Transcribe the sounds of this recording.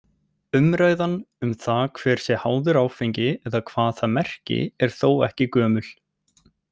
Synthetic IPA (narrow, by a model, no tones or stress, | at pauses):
ʏmɾaːjðan | ʏmθaðkʰv̥ɛːɾ̥sjɛhaːwðʏɾaːwfeɲcɪɛðakʰvaːðθaðmɛr̥cɪ̰ɛɾ̥θowɛ̰hcɪkœːmʏl̥